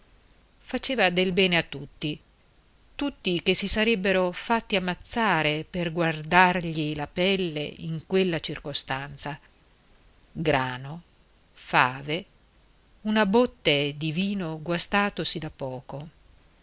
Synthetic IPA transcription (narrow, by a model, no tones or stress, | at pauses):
fat͡ʃeːvad̪elbɛːneat̪ːut̪ːi | t̪ut̪ːikesisaɾɛbːeɾofat̪ːiamːat̪sːaːɾeperɡward̪arʎilapɛlːḛḭŋkwelːat͡ʃirkost̪ant̪sa | ɡɾaːno | faːve | unabot̪ːed̪iviːnoɡwast̪aːt̪osid̪apːɔːko